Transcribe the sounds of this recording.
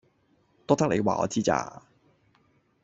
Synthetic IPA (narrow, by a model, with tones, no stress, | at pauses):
t̪ɔː˥t̪ɐ˥k̚le˨˧jwa̰ː˨ŋɔ̰ː˨˧t͡siː˥t͡sa̰ː˧